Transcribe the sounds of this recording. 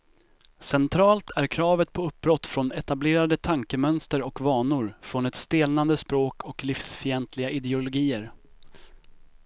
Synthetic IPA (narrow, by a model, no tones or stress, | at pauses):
sɛnt̪ʰɾɑːlt̪ʰæɾkʰɾɑːvət̪̚pʰɔɵp̚ːbɾɔt̪ːfɾɔnɛt̪ableːɾad̪ət̪ʰaŋkəmœnst̪əɾɔkvɑːɳʊɾfɾɔnɛt̪st̪eːlnand̪əspɾoːkʰɔklifsfɪɛnt̪ʰlɪɡaʔɪd̪ɛʊlʊɡiːəɾ